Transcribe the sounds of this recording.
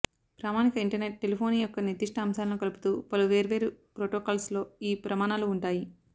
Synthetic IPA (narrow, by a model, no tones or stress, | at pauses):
pɾaːmaːnikɐiɳʈɐɾne̞ʈ̚ːe̞lipʰo̞ːniːjɔkːɐnid̪iʂʈɐːmsaːlɐnukɐlupu̥t̪uːpɐluʋe̞ːɾʋeːɾupɾoːʈoːkaːlslo̞ːiːpɾɐmaːnaːluːɳʈaːji